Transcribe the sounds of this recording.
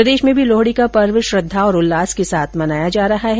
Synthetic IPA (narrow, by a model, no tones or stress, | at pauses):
ɾɐd̪eːʃmẽbʱiloːɦɽikapɐɾʋʃɾʊd̪ʱːaɔːɾʊlːaːskesaːt̪ʰmɐnaːjad͡ʒaːɾɐɦaɦɛ